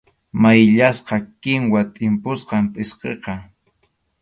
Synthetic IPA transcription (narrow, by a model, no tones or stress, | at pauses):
majʎasqɑkɪŋwat̪ʼɪmpʊsqɑmpʼɪsqḛqɑ